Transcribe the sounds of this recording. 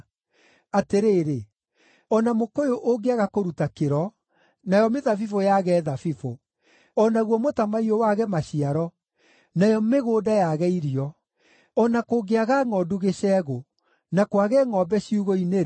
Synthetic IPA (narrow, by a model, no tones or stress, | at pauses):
ateɾeːɾe | ɔnamokojoʔoɡeaɣakoɾutakeɾɔ | najɔmeðafifojaɣɛðafifo | ɔnaɣwɔmotamaiowaɣɛmaɕiaɾɔ | najɔmeɣoːdajaɣɛiɾiɔ | ɔnakoɡeaɣaŋɔduɣeɕɛɣo | nakwaɣɛŋɔbɛɕiuɣoine